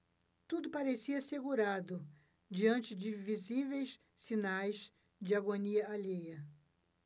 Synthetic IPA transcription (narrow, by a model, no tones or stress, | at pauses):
t̪ud̪ʊpaɾesiɐaseɡuɾad̪ʊ | d͡ʒiɐ̃nt͡ʃɪd͡ʒɪvizivejs | sinajs | d͡ʒɪaɡoniɐalejɐ